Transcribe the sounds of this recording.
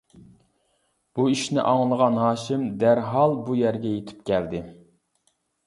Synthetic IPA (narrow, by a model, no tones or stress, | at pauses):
b̥uiʃnɪʔɑŋlˠəʁɑnɦɑːʃɪmd̪æɾɦɑlˠbujæɾɡʲɛjet̪ʰy̥pkʲʰæld̪ɪ